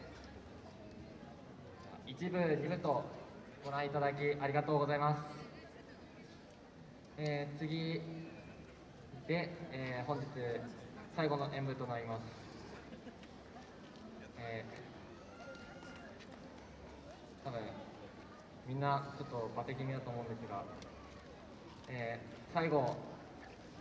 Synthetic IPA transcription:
d͡ʑaa̰it͡ɕibɯ̟ɲʲibɯ̟t̪o̞ | ɡ̥o̞ɾãɰ̃it̪ad̪ak̬ʲiʔaɾʲiɡat̪o̞ːɡo̞zaimasɨ̥ | eːt͡sɨɡʲi | d̪̥e̞eːhõ̞ɲ̟d͡ʑit͡sɨsaiɡo̞no̞ʔẽ̞mbɯ̟t̪o̞naɾʲimasɨ̥ | eː | t̪ʰabɯ̟̃ɰ̃ | mʲĩnːat͡ɕo̞t̪ːo̞bat̪e̞kʲimʲid̪at̪o̞ːmo̞ɯ̃nd̪e̞sɨɡa | eː | saiɡo̞

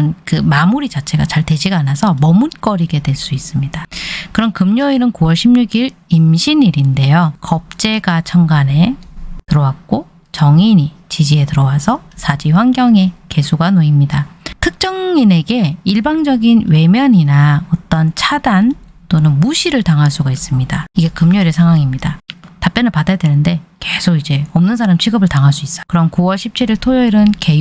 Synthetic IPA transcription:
nkɯmamuɾit͡ɕat͡ɕʰe̞ɡat͡ɕaɭtwe̞d͡ʑiɡanasʰʌmʌmunk͈ʌɾiɡe̞dwe̞ɭs͈uis͈ɯmɲid̥akɯɾʌnkɯmɲoinɯnkuwʌɭɕʰimɲuɡiɾimɕʰiniɾinde̞jokʌp̚t͡ɕ͈e̞ɡat͡ɕʰʌŋɡane̞tɯɾʌwak̚k͈o | t͡ɕʌŋiɲi | t͡ɕid͡ʑie̞tɯɾʌwasʰʌsʰad͡ʑiɸwaŋɡjʌŋe̞ke̞sʰuɡanoimɲidatʰɯk̚t͡ɕ͈ʌŋine̞ɡe̞iɭbaŋd͡ʑʌɡinwe̞mjʌɲinaʌt͈ʌnt͡ɕʰadant͈onɯnmuɕʰiɾɯɭtaŋɦaɭs͈uɡais͈ɯmɲidaiɡe̞kɯmɲʌɾesʰaŋɦwaŋimɲidatap͈jʌnɯɭpadajʌdwenɯnde̞ke̞sʰoɡid͡ʑe̞ʌmnɯnsʰaɾamt͡ɕʰiɡɯbɯɭtaŋɦaɭs͈uis͈ʌkɯɾʌnkuwʌɭɕʰip̚t͡ɕʰiɾiɭtʰojʌiɾɯnke̞

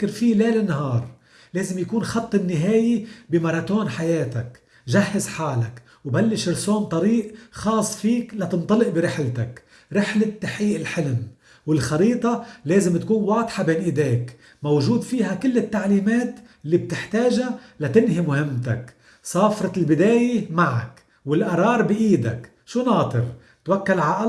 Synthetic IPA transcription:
kːɪɾfileːlɪnːɦɑːɾˤ | leːzɪmjakuːnxɑt̪ˤːɪnːɪɦeːjibɪmɑɾˤɑt̪oːnħajeːt̪ak | ʒahːɪzħaːlak | wbalːɪʃɪɾsoːnt̪ˤɑɾiːʔxɑːsˤːfiːklat̪ɨnt̪ˤɑlɪʔbɪɾɪħlt̪ak | ɾɪħlɪt̪ːaħiːʔɪlħɪlm | wɪlxɑɾiːt̪ˤɑleːzɪmt̪akuːnwɑːd̪ˤħɑbeːnʔɪd̪eːk | mowʒuːd̪fiːɦakɪlːɪt̪ːaʕliːmeːt̪ | ɪlːib̚t̪ɪħt̪eːʒalat̪ɪnhimʊhɪmːt̪a̰k | sˤɑːfɾˤɑlbɪd̪eːjemaʕa̰k | wɪlʔɑɾˤɑːɾˤbɪʔiːd̪a̰k | ʃuːnɑːt̪ˤɨɾ | t̪wakːalʕaʔɑ

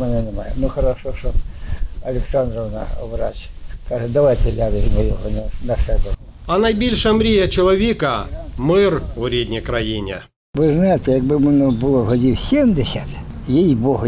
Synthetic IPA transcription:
mɛnɛnemajɛnuxɐɾɐʃɔʃɔ | ɐlʲɪksand̪ɾɔʋna̰ʋɾa̰t͡ʃʲkaʒɛd̪ɐʋajt̪ɛlʲaʋɪzʲmɔjɔɦɔnɐnɐsɛbɛ | ɐnɐjbʲilʲʃɐmɾʲijɐt͡ʃɔlˠɔʋʲikɐmɪrʋɾʲedʲnʲijkɾɐjinʲɛ̰ | ʋɪznajɪt̪ɛjɐɡ̚bɪmɛnɛbʊlˠɔɦɔdʲiwsʲemd̪esʲɐt̪jejboɦɔ

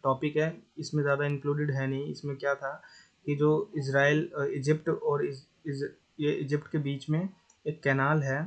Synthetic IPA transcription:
ʈɔːpɪkɦɛɪsmẽzjaːd̪aɪ̃ŋkluːɖɪɖɦɛnɐɦĩɪ̰smẽkjat̪ʰa | kid͡ʒoːɪs̬ɾaːɪlɪd͡ʒɪpʈɔːɾ | jeɪd͡ʒɪpʈkebiːt͡ʃmẽ | eːkːɛːnaːlɦɛː

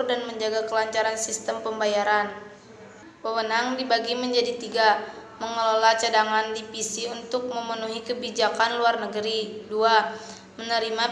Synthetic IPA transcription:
rdanməɲd͡ʒaɡakəlaɲt͡ʃaɾansist̪əmpəmbajaɾan | wəwənaŋdibaɡiməɲd͡ʒadit̪iɡaməŋəlalat͡ʃadaŋandipisiunt̪ʊk̚məmənuɦikəbid͡ʒakanluarnəɡəɾidua | mənəɾima

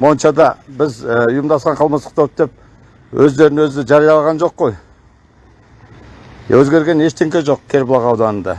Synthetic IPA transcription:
mo̞nʃɑd̪ɑbɪzəʊjəmd̪ɑsqɑɴqʰɑlˠməsəqt̪ʰop̚d̪e̞p̚ | wʔɵzd̪e̞ɾɪnɵzɪʒɑɾijɑlˠʁɑnʒo̞qːo̞j | wɵzɡʲe̞ɾɡʲe̞ne̞ʃt̪ʰɪŋkʲeʒo̞qkʲʰe̞ɾblˠɑʁɑwd̪ɑnənd̪ɑ̰

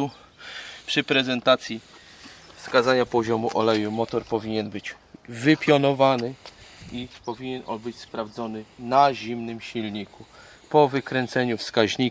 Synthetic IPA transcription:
u | pʂɘpɾɛzɛnt̪at̪sʲji | fskazaɲapɔʑɔmuʔɔlɛjumɔt̪ɔɾpɔvʲiɲɛnbɘd͡ʑ | vɘpʲjɔnɔvanɘipɔvʲiɲɛnʔɔ̰nbɘt͡ɕspɾavd̪zɔnɘnaʑimnɘmɕilɲiku | pɔvɘkɾɛnt̪sɛɲufskaʑɲi

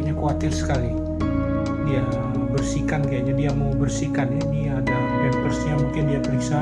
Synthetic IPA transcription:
ɲakəwat̪ɪrsə̥kali | dia | bərsikankaad͡ʒadiamawbərsikaniniada | bɛpərsɲamuŋkɪndiapəɾisa

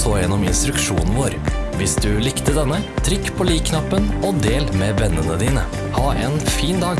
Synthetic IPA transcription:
soːjɛnɔmɪnst̪ɾʉkʃṵːnn̩ʋoːɾ | ʋɪsd̪ʉlɪkt̪əd̪ɛnːət̪ʰɾʏkːpʰoːliːkkːʰnɑpːənoːd̪eːlmeːʋɛnːənəd̪iːnə | hɑːʔeːnfiːnd̪ɑːɡ

